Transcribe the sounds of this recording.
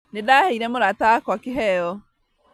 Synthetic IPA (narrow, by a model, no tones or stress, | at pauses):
nedahɛiɾɛmoɾatakwakɪɦɛjɔ